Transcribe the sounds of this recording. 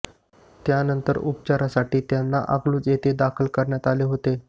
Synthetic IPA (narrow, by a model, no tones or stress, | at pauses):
t̪janənt̪əɾupt͡ɕaɾasaʈiːt̪janːa̰ʔaɡluːt͡set̪ed̪akʰəlkəɾɳjat̪aleɦot̪e